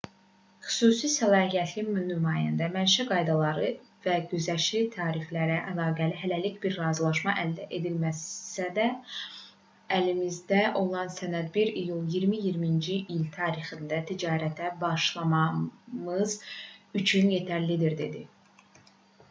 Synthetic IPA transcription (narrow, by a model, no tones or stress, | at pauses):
χy̥suːsisælˠɑːhijæt̪ʰlimnymɑːjænd̪æmælʃæɡɑjd̪ɑlˠɑɾɯ | væɟøzæʃit̪ʰɑːɾiflæɾæʔælˠɑːɡæliɦælælicbiɾːɑːzlˠɑʃmɑʔæld̪æʔe̞d̪ilmæssæd̪æ | limizd̪æʔo̞lˠɑnsænæd̪̚biɾijulˠjiɾmijiɾmind͡ʒiʔilt̪ʰɑːɾixind̪æt̪ʰid͡ʒɑːɾæt̪ʰæbɑʃlˠɑmɑmɯzyt͡ʃʰynje̞t̪ʰæɾlid̪iɾd̪e̞̰d̪i